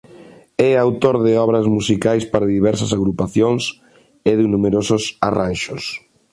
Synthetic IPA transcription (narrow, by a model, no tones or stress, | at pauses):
ɛawt̪oɾðɪɔβɾɐzmusikajspaɾaðiβɛɾsɐsaɣɾupaθjoŋs | ɪðɪnumeɾososaranʃos